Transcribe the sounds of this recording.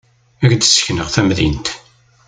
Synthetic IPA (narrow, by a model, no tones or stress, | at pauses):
æɾd̪sə̥çnəʁθæmðint̪